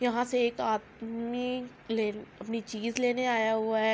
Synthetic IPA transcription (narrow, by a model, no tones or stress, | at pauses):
jɐɦãseeːkaːt̪̚mi | leːɐpnit͡ʃiːzleːneaːjaɦʊaɦɛː